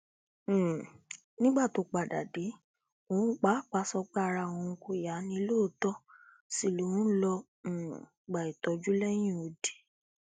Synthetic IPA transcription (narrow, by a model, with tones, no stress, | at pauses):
nĩ˦ɡ͡ba˦˨to˨˧k͡pa˨da̰˨de˨˦ | õ˨˧˨k͡pa˨˦˨k͡pa˧˦sɔ˧ɡ͡ba˦˧ɾa˧˨w̃ɔ̃˨˧ko˧˨ja˨˦nĩ˧˦lo˦˨˦tɔ˦ | si˦˨lo˨ũ˨˦lɔ̃˧˨ | ɡ͡ba˨i˨tɔ˨˦d͡ʒu˦lɛ˦j̃ĩ˦˨o˨˧de̥˨